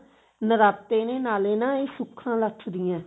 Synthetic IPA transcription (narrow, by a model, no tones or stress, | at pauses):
nəɾaːpt̪eːneːnaːleːnãːeːsʊkʰːãːləʈʰd̪ɪjãː